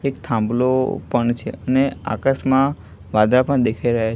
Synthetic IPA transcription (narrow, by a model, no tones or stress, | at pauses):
ekt̪ʰãmblopəɳt͡ʃʰḛənea̰kasmã | ʋad̪ɾapə̃ɳd̪ekʰaiɾəɦa